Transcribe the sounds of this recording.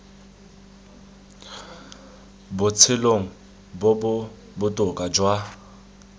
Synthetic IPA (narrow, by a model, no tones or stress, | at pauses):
bʊt͡sʰɪloŋ̩ | bobʊ | bʊtʼʊkʼad͡ʒwa